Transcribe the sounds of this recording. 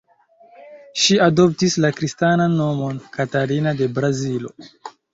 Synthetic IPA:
ʃiado̞p̚tislakɾistananːo̞mo̞nkataɾinade̞bɾazilo̞̰

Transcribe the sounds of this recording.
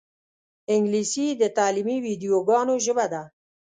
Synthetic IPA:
ɪŋɡlisid̪ət̪ɑːlimiwid̪ijoɡɑːnoʒəbad̪a

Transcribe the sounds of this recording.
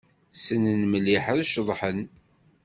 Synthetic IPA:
sənənməliħəðʃðˤħən

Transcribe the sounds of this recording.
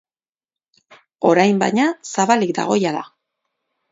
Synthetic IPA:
o̞ɾajmba̰jɲasaβalikd̪a̰ɣ̞o̞jaða

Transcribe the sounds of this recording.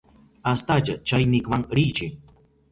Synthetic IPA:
ast̪at͡ʃat͡ʃajnɪkmaŋɾɪt͡ʃɪŋ

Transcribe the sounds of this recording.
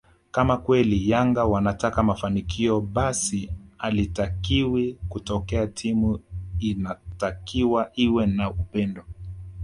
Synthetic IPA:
kamakwɛlijaŋɡawanatakamafanikʰiɔɓasialitakiwikutɔkɛatʰimuinatakiwaʔiwɛnaupɛndɔ

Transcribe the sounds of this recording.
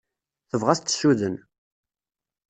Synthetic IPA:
θəvʁæst̪ːsuðən

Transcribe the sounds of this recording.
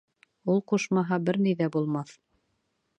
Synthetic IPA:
ulˠquʃmɑɦɑbɘɾnijðæbulˠmɑθ

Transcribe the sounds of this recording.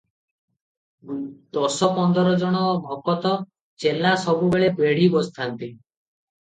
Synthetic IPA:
d̪̥ɔsɔpɔnd̪ɔɾɔd͡ʒɔɽ̃ɔbʱɔkɔt̪ɔ | t͡ʃelasɔbubeɭebeɽ̤ibɔst̪ʰant̪i

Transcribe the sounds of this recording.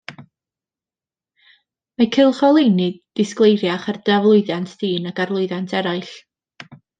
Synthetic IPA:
makʰɪlˠχɔlˠejnɨd̥ɪsklˠejrjaχard̥avlˠʊɨðjantʰd̥iːnaɡarlˠʊɨðantʰɛɾaɨɬ

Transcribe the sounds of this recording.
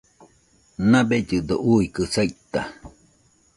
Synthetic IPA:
nãbed͡ʒɨd̪oʔuikɨsajʔt̪a

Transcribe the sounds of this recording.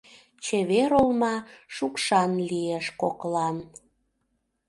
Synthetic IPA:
t͡ɕeβeɾolmɑʃukʃɑnlieʃkoklɑn

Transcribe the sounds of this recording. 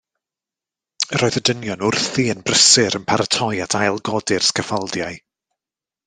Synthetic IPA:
rɾɔːɨðədənjɔnʊrθiənbrəsɪɾənpʰaɾatʰɔjatʰajlˠɡɔdɪrskʰəfalˠdjaɨ

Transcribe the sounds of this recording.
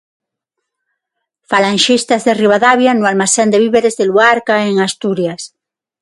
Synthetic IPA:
falaŋʃist̪azðeriβ̞aðaβjanualmasend̪eβiβeɾezðeluaɾkaeŋast̪uɾjas

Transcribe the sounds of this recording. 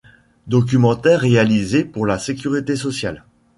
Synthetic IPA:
d̪ɔk̬ʲymɑ̃t̪ɛʁːealizepuʁlasekʲyʁit̪esɔsjal

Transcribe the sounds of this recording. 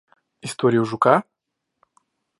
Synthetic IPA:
ɪst̪oɾʲɪjʊʐʊka

